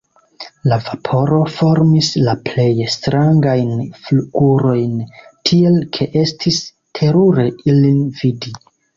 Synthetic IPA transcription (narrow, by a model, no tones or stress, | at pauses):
lavapʰo̞ɾo̞fo̞ɾmislaple̞jstɾaŋɡajnfluɡuɾo̞jntʰie̞lkʰe̞ʔe̞stʰis | tʰe̞ɾuɾe̞ilinvidi